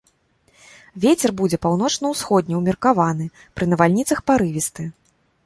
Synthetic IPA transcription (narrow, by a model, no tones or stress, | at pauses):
vʲet͡sʲɛrbud͡zʲɛpawn̪ɔt͡ʂnɐwsxɔd̪̚ʲnʲɛwmʲirkavan̪ɨ | pɾɨnɐvalʲnʲit̪sɐxpaɾɨvʲist̪ɨ